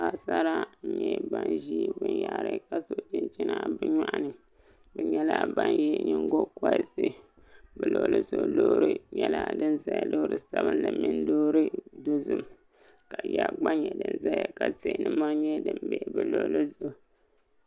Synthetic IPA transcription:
a˨sa˦ɾa˦ɲɛ˨ba˦nʒi˦˨bɨ˨nja˨ɾɨ˦ka˦so˨t͡ʃɪ˦nt͡ʃi˦na˦bɨ˦ɲa˦ʔa˦˨nɨ˨ | bɨ˨ɲɛ˦la˦ba˦njɛ˦ɲɨ˦ŋɡo˦ka˦ɪ˦˨sɨ˨ | bɨ˨lo˨lʔɨ˦zo˨lo˦ɾɨ˦ɲɛ˦la˦dɨ˦nza˦ja˨lo˦ɾɨ˦sa˦bɨ˦nlɨ˨mi˦n˦doː˦ɾɨ˦do˦zɨ˦m | ka˨ja˦ɡ͡ba˦ɲɛ˨dɨ˦nza˦ja˨ka˨te˨nɨ˦ma˦ɲɛ˦dɨ˦mbɛ˦ʔbɨ˨lo˨lɨ˦zo˦˨

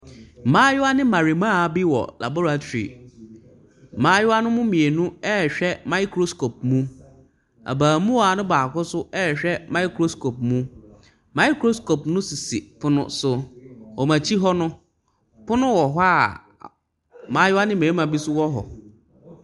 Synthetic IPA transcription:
m̩˨mãː˦jʊ˦a˦nɪ̃˦mã˨ɾi˨mãː˦˨˦bi˦wɔ̰˨la̰˨bɔ˦ɾa˨t͡ɕʰᶣḭ˨ | mãː˨˦jʊ˦a˦nʊ̃˦mʊ̃˦mĩ˨e˨nũ˦ɛ˦ɕᶣɛ˦mã˦i˦kɾo˦sko˨p̚mũ˦ | a̰˨baː˨mũ˦wɔ˨a˨nʊ̃˦baː˨kʊ˦sʊ˦ɛ˦˨ɕᶣɛ˦mã˦i˦kʰɾo˦skʰo˨p̚mũ˦ | mã˦i˦kɾo˦sko˨pnʊ̃˦si˨si˨fʊ˦nʊ̰̃˦sʊ˨ɔ˨mã˨t͡ɕʰi˦ɦɔ˦nʊ̃˦ | pʊ˦nʊ̃˦wɔ˨ɦa˦˨ | mãː˨˦jʊ˦a˦nɪ̃˦mẽ˨i˦mã˨bi˦sʊ˦wɔ˦ɦɔ̰˨

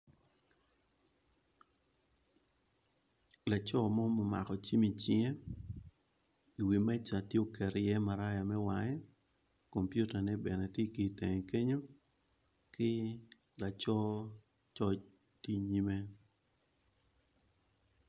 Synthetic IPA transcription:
la˨t͡ʃɔ˦mɔ˦mɔ˨ma̰˨kɔ˨t͡ʃi˦mi˨t͡ʃɪ˦ŋe˦ | i˨wi˨mɛ˦t͡ʃa˨tje˦o˦˨kɛ˨ɾjɛ˦ma˨ɾa˦ja˨mɛ˦wa˨ŋɛ˦ | ko˨mpju˦ta˨nɛ˦bɛ˨nɛ˨tje˦ki˨tɛ˨ŋ˨ke˦ɲo˦ | kɪ˦ | la˨t͡ʃɔ˦ | t͡ʃɔ˦t͡ʃ | ti˦ɲi˦me˦

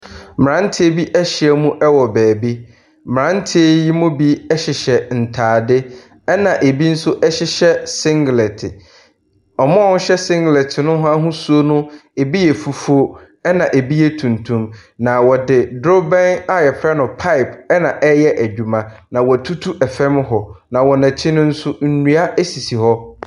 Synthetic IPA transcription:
mɪ˨ɾã˦n̩˦tʰɪ˦e˦bi˦ʔæ˦ɕi˨ɛ˦mũ˦ʔɛ˦wɔ˨bɛː˨bi˦ | mɪ˨ɾã˦n̩˦tʰɪ˦e˦ji˦mʊ̃˦bi˦ɛ˦ɕɪ˨ɕɛ˨n̩˨tʰaː˨dɪ˦ | ɛ˦nã˨ʔe˨bi˦n̩˦sʊ˦ʔɛ˦ɕɪ˦ɕɛ˦sɪ̃˦ŋɡlɛ˨tʰɪ˨ | ɔ˨mʊ̃˦ɔ˦n̩˦ɕɛ˦sɪ̃˦ŋɡlɛ˨tʰɪ˨nʊ̃˦ɦa˦ɦʊ̃˦su˦o˦nʊ̃˦e˨bi˦jɛ˨fu˨fo˦ | ɛ˦nã˨ʔe˨bi˦jɛ˦tʰũ˨ntʰũ˦mnã˨wɔ˨dɪ˨dɾo˦bɛ̃˦na˨jɛ˨pʰɾa˦nʊ̃˨pʰa˦ɪ˨pɛ˦nã˨ʔɛ˦jɛ˦ʔæ˨d͡ʑᶣu˨mã˦nã˨wɔ˨tʰu˦tʰu˦ʔɛ˨fɛ̃˦m˦ɦɔ˨nã˨wɔ˨nã˨t͡ɕʰɪ˦nʊ̃˦n̩˦sʊ˦n̩˨nũ˨a˦ʔɛ˦si˨si˨ɦɔ˦

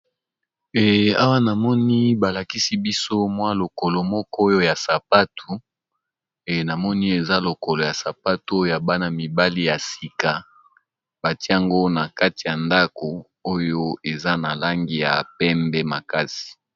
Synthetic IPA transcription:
ɛ˨a˦wa˦na˨mɔ˦ni˦ba˨la˨ki˦si˦bi˦so˦mwa˦lo˨ko˨lo˨mɔ˦kɔ˦o˦jo˦ja˨sa˨pa˦tʰu˨ | ɛ˨na˨mɔ˦ni˦e˨za˦lo˨ko˨lo˨ja˨sa˨pa˦tu˦o˦jo˦ja˨ba˦na˨mi˨ba˦li˦ja˨si˨ka˨ | ba˨ti˦a˨ŋɡo˦na˨ka˦ti˨ja˨nda˦ko˨ | o˦jo˦e˨za˦na˨la˦ŋɡi˦ja̰˨pɛ˦mbɛ˦ma˨ka˦si̥˨

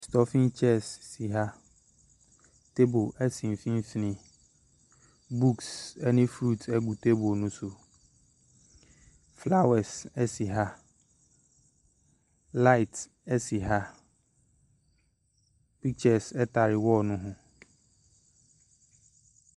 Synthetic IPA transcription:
stɔ˨fĩ˦nt͡ʃʰɛ˦sːi˨ɦa˦ | tʰe˦bo˨ʔɛ˦sĩ˨m˨fĩ˦n˦fi˦nɪ̃˦ | bu˦ksɛ˦nɪ̃˦fɾu˦˨tʰɛ˦ɡu˨tʰe˦bo˨nʊ̃˦sʊ˨ | fla˦wɛ˨sɛ˦si˨ɦa˦ | la˦ɪ˨t | ɛ˦si˨ɦa˦ | pi˦k̚t͡ɕɛ˨sɛ˦tʰa˨ɾɪ˨wɔ˦nʊ̃˦ɦʊ̃˦

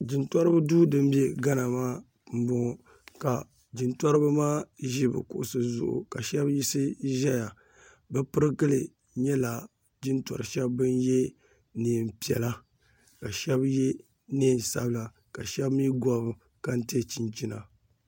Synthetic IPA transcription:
d͡ʒi˨ntɔ˦ɾɨ˦bɨ˦duː˦dɨ˦m˦bjɛ˦ɡa˦na˨maː˦ | m̩˦bʊ˦ŋɔ˨ | ka˨ | d͡ʒi˨ntɔ˦ɾɨ˦bɨ˦maː˦ʒi˦bɨ̰˨kʊ̰˨ʔʊ˨sɨ˨zʊ̰˦˨ʔʊ̰˨ka˨ʃɛ˦bji˦sɨ˦ʒɛ˦ja˨ | bɨ˦pɨ˦ɾɨ˦ɡɨ˦lɨ˨ | ɲɛ˦la˨ | d͡ʒi˦ntɔ̰˨ɾɨ˨ʃɛ˦bːɨ˦n˦jɛ˦ | ni˨m˨pi˨ɛ̰˨la˦ | ka˨ʃɛ˦bjɛ˦ | neː˦˨n˨sa̰˦bla˨ | ka˨ʃɛ˦bmi˦ɡɔ˦bɨ˨ | ka˦n̩˦ti˦ɛ˦t͡ʃi˨nt͡ʃi˦na̰˨

